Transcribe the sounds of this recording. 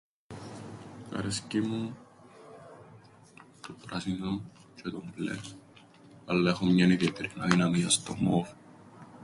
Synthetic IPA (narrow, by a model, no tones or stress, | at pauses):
ɐ̰ɾescimu | t̪opɾɐsino | t͡ʃet̪omblḛ | ɐlːɐexomɲɐniðjet̪eɾinɐ̰ðinɐmiɐst̪o̰mof